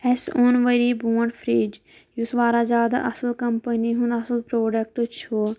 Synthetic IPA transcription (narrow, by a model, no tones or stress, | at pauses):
ɛsonʋəɾiːbuːə̃ɳɖpʰɾiːd͡ʒ | jusʋaːɾaːzʲaːd̪a̰ʔɐsəlkɐmpəniɦʊ̃nd̪ɐsəlpɾoːɖək̚ʈt͡ʃʰo